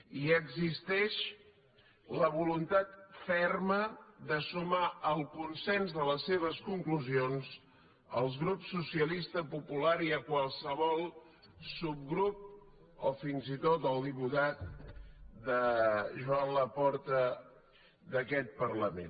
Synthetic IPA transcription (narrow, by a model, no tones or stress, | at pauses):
iəɡzist̪ɛʃ | ləβ̞ulunt̪at̪fɛrməðəsumaəlˠkunsɛnzðələsːeβ̞əskuŋkluzionz | əlˠzɣɾupsːusiəlist̪əpupulaɾiəkwalˠsəβɔlˠ | sub̚ɡɾup̚ | ofinzit̪ot̪əlˠd̪iput̪at̪̚ | d̪əʒuanləpɔɾt̪ə | d̪əkɛt̪̚pərləmḛn